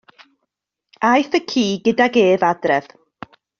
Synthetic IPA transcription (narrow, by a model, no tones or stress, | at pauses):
ajθəkʰiːɡədaɡeːvadrɛð̥